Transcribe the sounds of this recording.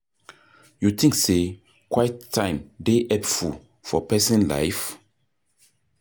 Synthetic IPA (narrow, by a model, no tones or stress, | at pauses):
jut̪ʰĩŋkse | kwajtʰːãɪ̃mdeʔɛfu | fɔpɛsɛ̃nla̰jf